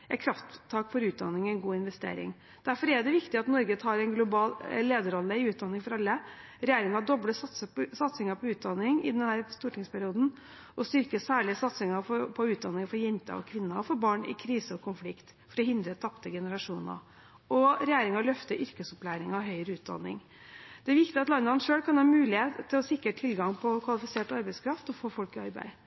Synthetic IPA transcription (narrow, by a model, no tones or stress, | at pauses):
ɛkʰɾɑft̪ʰːɑːkfɔɾʉːt̪̚d̪ɑ̰nːɪŋɛɪnɡuːɪnʋɛst̪ḛːɾɪ̰ŋ | d̪̥æɾfɔɾɛd̪ɛʋɪkt̪ɪɑt̪nɔɾɡət̪ʰɑːɾɛnɡlʊbɑːlleːd̪əɾɔlːəɪʉːt̪̚d̪ɑnːɪŋfɔɾɑlːəɾɛjeːɾɪŋɑɖ̪ɔbɽəsɑt̪səsɑt̪sɪŋɑpʰɔʉːt̪̚d̪ɑnːɪŋɪ̰d̪ɛnhæːɾst̪uːʈʰɪŋspʰæɾɪuːd̪n̩ | ʔɔst̪ʏɾkəsæːɭɪəsɑt̪sɪŋɑfɔpʰɔʉːt̪̚d̪ɑnːɪŋfɔɾjɛnt̪ə̰ɔ̰kʰʋɪnːɑfɔɾbɑːɳɪ̰kʰɾiːsəɔkʰʊnflɪkt̪ | fɔɾɔhɪnd̪ɾət̪ʰɑpt̪əɡɛnəɾɑʂuːnɑ̰ | ʔɔɾɛjeːɾɪŋɑlœft̪əɾʔʏɾkəsʊplæːɾɪŋɔɦœʏɾəʉːt̪̚d̪ɑ̰nːɪ̰ŋ | d̪̥ɛæʋɪkt̪ɪɑt̪lɑnːəɑnʂøːlkɑnhɑːmʉːlɪeːt̪ʰːɪlɔsɪkɾəʈʰɪlɡɑŋpʰɔkʰʋɑlɪfɪseːʈɑɾbæɪskʰɾɑft̪ɔfoːfɔlkɪɑɾbæ̰ɪ